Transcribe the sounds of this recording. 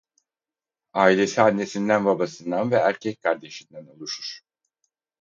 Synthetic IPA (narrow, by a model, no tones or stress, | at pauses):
aːilʲe̞sianːe̞sind̪ænbabasɯnd̪anvɛæɾcʰɛc̚kʰaɾd̪e̞ʃind̪æno̞lˠuʃuɾ̥